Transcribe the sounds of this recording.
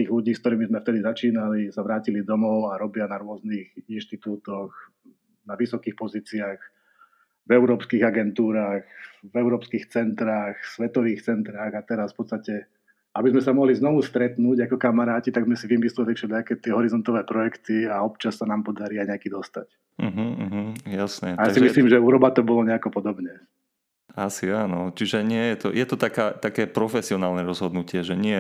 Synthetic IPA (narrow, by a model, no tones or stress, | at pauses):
t̪iːɣluɟiːskt̪ɔɾiːmizmɛft̪ɛd̪izat͡ʃiːnalisaʋɾaːcilid̪ɔmɔʊaɾɔbɪanaɾʊɔzniːxinʃt̪it̪uːt̪ɔx | naʋisɔkiːxpɔziːt͡siaːx | vɛʊɾɔːpskiɣaɡɛnt̪uːɾaːxvɛʊɾɔːpskiːxt͡sɛnt̪ɾaːxsʋɛt̪ɔʋiːxt͡sɛnt̪ɾaːɣat̪ɛɾasfpɔt̪t͡sst̪acɛ | abizmɛsamɔɦliznɔʋust̪ɾɛt̪nuːɟakɔkamaɾaːcit̪aɡzmɛsiʋimislɛt̪ɛkfʃɛlakɛːt̪ɪɛɦɔɾizɔnt̪ɔʋɛːpɾɔjɛkt̪iaɔp̚t͡ʃassanaːmpɔd̪aɾiaɲɛakiːd̪ɔst̪a̰c | m̩ɦ̩ɦ̩jasɲɛajasimʒisliːmʒɛuːɾɔbat̪ɔbɔlɔɲɛakɔpɔd̪ɔbɲɛ | asiaːnɔt͡ʃiʒɛɲɪɛjɛt̪ɔjɛt̪ɔt̪akaːt̪akɛːpɾɔfɛsiɔnaːlˠnɛɾɔzɦɔd̪nucɪɛʒɛɲɪɛ